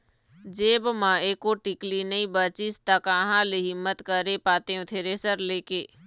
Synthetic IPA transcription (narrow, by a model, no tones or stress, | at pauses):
d͡ʒeːbmãeːkoʈɪklinɐĩbət͡ʃist̪akaːɦãːliɦɪmːət̪kəɾepaːt̪eːõt̪ʰeːɾeːsəɾleːkeː